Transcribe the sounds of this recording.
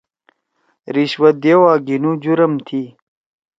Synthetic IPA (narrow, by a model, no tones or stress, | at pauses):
ɾiɕwɐd̪ewaːɡinud͡ʑuɾɐmt̪ʰi